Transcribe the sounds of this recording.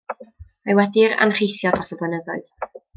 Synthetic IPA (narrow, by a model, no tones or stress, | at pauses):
majwɛdɪɾa̰nχejθjɔdɔsɔblənəðɔɨð̥